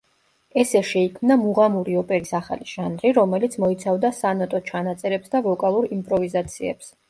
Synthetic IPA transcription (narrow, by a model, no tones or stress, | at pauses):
ɛsɛʃɛikʰmnamuʁamuɾiɔpʼɛɾisaχa̰liʒ̥anɾiɾɔmɛlit̪sʰmɔit̪sʰavd̪asanɔt̪ʼɔt͡ʃʰanat̪sʼɛɾɛpsd̪avɔkʼalˠuɾimpʼɾɔvizat̪sʰiɛ̰ps